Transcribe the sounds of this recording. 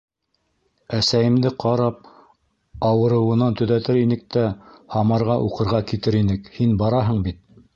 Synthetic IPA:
æsæjɘ̆md̪ɘqʰɑɾɑp̚ | ɑwɤ̆ɾɤ̆wɤ̆nɑnt̪ɵ̆ðæt̪ɘɾinɘk̚t̪æhɑmɑɾʁɑʔuqɤ̆ɾʁɑkit̪ɘɾinɘkhinbɑɾɑɦɤɴbit̪̚

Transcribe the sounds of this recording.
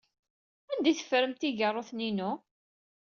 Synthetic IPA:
ænd̪æjθə̥fɾəmt̪iʝərˤːoθninʊ

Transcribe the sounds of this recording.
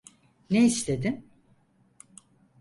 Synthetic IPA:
neislʲe̞d̪ɪm

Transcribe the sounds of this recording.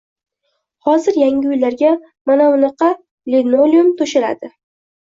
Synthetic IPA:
hɒzɪɾjaŋɡʲɪʊjlaɾɡʲa | manawnɨqɑ | linoliumt̪ʰoʃɪla̰d̪ɪ

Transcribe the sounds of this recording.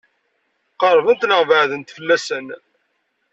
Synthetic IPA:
qəɾˤvənt̪ləʁvəʕðənt̪fəlːæsən

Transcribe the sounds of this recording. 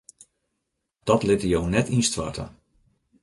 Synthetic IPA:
d̥ɔtlɪtəjownɛtinstʋa̰tə̰

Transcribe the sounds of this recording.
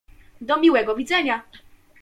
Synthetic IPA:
d̪ɔmʲiwɛɡɔvʲid̪zɛɲa

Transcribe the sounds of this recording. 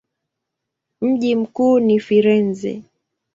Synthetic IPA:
m̩ʄim̩kuːnifiɾɛnzɛ̰

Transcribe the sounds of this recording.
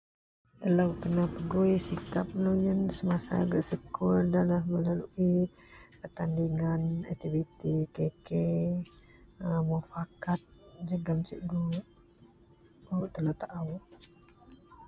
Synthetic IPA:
əlawk̪ənapəɡojsikap̚lojənsəmasa̰ːɡaʔsəkʊrdalahməlaluʔi | pərt̪andiŋanak̚t̪ivit̪ikeke | əmofakat̪̚d͡ʒəɡamt͡ʃiʔɡuʔ | uɾuʔt̪əlat̪aʔaw

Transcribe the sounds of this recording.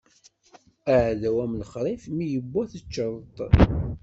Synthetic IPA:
aʕðæwæmlχɾˤifmijəbːæθət͡ʃːəɾˤt̪ˤ

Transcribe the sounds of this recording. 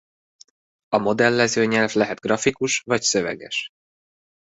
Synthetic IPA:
ɒmo̞d̪ɛlːɛzøːɲɛlvlɛɦɛd̪̚ɡrɒfikuʃvɒcsø̞vɛ̰ɡɛ̰ʃ

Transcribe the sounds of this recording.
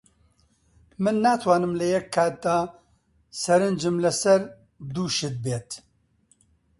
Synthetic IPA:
mɨnːaːt̪ʰwɑːnɨmlɨjɛkʰːɑːt̪̚d̪ɑː | sɛɾɨnd͡ʒɨmlɨsɛɾ | d̪uːʃɪd̪̚beːt̪

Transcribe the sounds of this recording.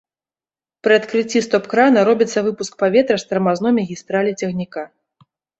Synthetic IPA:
pɾɨat̪kɾɨt͡sʲːist̪ɔpkɾanɐɾɔbʲit̪sːɐvɨpusk̚pavʲɛt̪ɾɐst̪ɐɾmaznɔjmɐɣʲist̪ɾalʲit͡sʲɛɣnʲika

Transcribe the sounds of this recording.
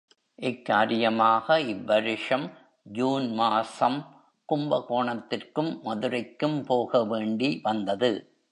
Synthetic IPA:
ʔɪkːaːɾɪjɐmaːɣɐɪʋbːɐɾɪʂɐm | d͡ʒuːnmaːsɐm | kʊmbɐkoːɳɐt̪ːɪrkɯmːɐðɯɾɐɪkːɯmpoːɣɐʋeːɳɖiʋɐnd̪ɐðɯ

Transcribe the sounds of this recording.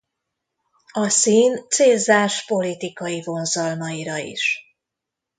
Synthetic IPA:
ɒsiːnt̪seːzaːʃpo̞lit̪ikɒjivo̞nzɒlmɒiɾɒḭʃ

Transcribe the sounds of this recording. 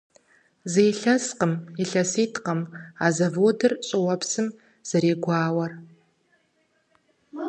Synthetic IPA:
zejɬɐsqəmiɬɐsiːtʰqɐmaːzɐvoːdɨrɕʼɨwɐpʰsɨm | z̥ɐɾeːɡʷaːwɐr

